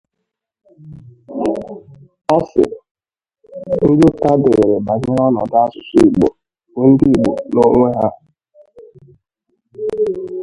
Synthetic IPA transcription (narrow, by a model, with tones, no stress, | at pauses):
ɔ˦sɪ̰˨ | n̩˦d͡ʒo˦ta˦de˨e˨ɾe˨ba˨ɲɪ˦ɾɔ˦nɔ̰˨da˦sʊ̥˨si˦i˨ɡ͡bo̰˨ | we˦n̩˦di˦i˨ɡ͡bo˨no˦ŋʷe˦ɦa˦